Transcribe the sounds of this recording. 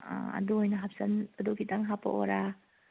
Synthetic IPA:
ɐ̰duojnɐɦap̚sɐnɐdokʰitaŋɦapɐ̰ʔo̰ɾa

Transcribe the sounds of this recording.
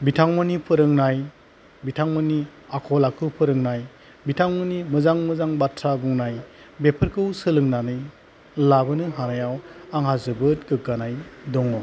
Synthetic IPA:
bitʰaŋmɯnipʰɯɾɯŋnaj | bitʰaŋmɯniakʰɔlakʰɯpʰɯɾɯŋnaj | bitʰaŋmɯnimɯzaŋmɯzaŋbatʰɾabuŋnaj | bepʰɯɾkʰɯwsɯlɯŋnanɯj | labɯnɯɦanajawaŋɦazɯbɯt̚ɡɯkːanajdɔŋɔ

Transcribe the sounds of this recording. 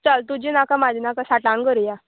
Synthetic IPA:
t͡salt̪ud͡ʑinakamad͡ʑʱinakãsaʈãŋɡəɾija

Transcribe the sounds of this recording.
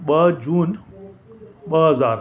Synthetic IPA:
ɓɐd͡ʑuːn | ɓəɦɐzaːɾ

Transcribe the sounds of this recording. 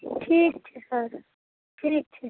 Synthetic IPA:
ʈʰiːk̚t͡ʃʰesəɾ | ʈʰiːk̚t͡ʃʰɛ

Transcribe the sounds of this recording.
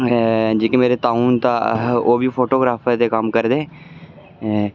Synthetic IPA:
d͡ʒiːkemeːɾet̪aːuːnt̪aoːbʱipʰoːʈoːɡɾaːfʰət̪ekəmkəɾd̪eː

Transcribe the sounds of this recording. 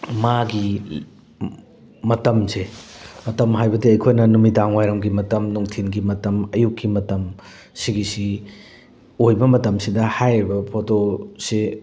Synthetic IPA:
maɡi | mɐtɐmsemɐtɐmɦajbɐdiɐjkʰojnɐnumidaŋwajɾɐmɡimɐtɐmnuŋtʰinɡimɐtɐmɐjukːimɐtɐm | siɡisi | ojbɐmɐtɐmsidɐhajɾibɐpʰotose

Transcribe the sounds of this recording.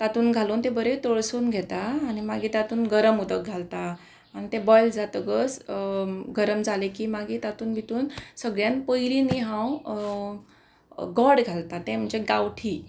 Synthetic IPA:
t̪at̪uːnɡʱaluːnt̪ẽbəɾet̪oɭsuːnɡʱɛt̪aːñimaɡiːt̪at̪uːnɡəɾəmud̪ək̚ɡʱalt̪aː | ñit̪ẽbɔjld͡zat̪əɡəs | ɡəɾəmd͡zʱalekiːmaɡiːt̪at̪uːnbʱit̪uːnsəɡɭjãnpəjliniɦãw | ɡɔɽɡʱalt̪at̪ɛ̃m̤əɳd͡ʑeɡawʈʰi

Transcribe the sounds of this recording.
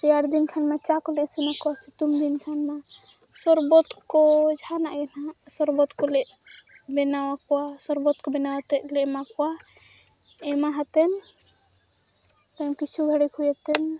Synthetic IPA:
t̪iaɾd̪inkʰanmat͡ʃakɔlɛsimakɔwasit̪umd̪inkʰanma | sɔɾbɔt̪kɔd͡ʒʱanaʔɛnasɔɾbɔt̪kɔlɛʔ | bɛnawakɔwasɔɾbɔt̪kɔbɛnawat̪ɛlɛmakɔwa | ɛmaɦat̪ɛn | t̪amkit͡ʃʰuɡʱəɽikʰujɛt̪ɛn

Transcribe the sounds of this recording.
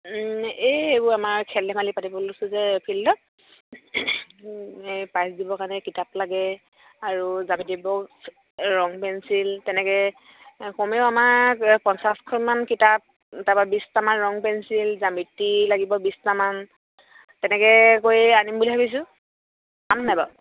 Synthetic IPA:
eejbʊamaɹkʰɛlɛmalipatibɔlosʊzɛpʰilːɔ | pajsdibɔkaɹnɛkitaplaɡɛ | aɹuzamitibɔs | ɹɔŋpɛnsiltɛnɛkɛ | kɔmɛʊamakpɔnsaskʰɔnmankitap̚ | tababistamanɹɔŋpɛnsilzamitːilaɡibɔbistaman | tɛnɛkɛkojanimbulipʰabis̬ʊ̃ | amnajbɔ

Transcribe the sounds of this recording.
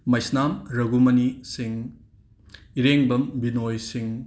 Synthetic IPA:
mɐjsnamɾɐɡumɐnisiŋ | iɾeŋbɐmbinojsiŋ

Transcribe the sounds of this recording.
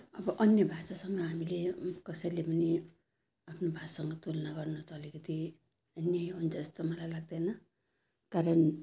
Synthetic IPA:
ʌbʌʔʌnjʌbʱasasʌŋɡʌɦamilekʌsʌjlepʌni | apʰnobʱasʌŋɡʌt̪ulʌnaɡʌrnʌt̪ʌːlikʌt̪i | ʌnjʌjʌnt͡sʌst̪ʌmʌlajlaɡ̚d̪ʌnʌ | kaɾʌn

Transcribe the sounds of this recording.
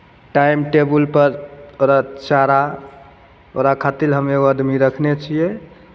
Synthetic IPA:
ʈajmʈebulpəɾoɾat͡ʃaɾa | o̰ɾakʰat̪ilɦəmeɡoəd̪miɾəkʰnet͡ʃʰijɛ

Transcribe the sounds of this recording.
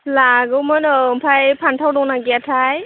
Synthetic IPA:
laɡɯwmɯnɯmpʰajpʰantʰawdɔŋnaɡiatʰaj

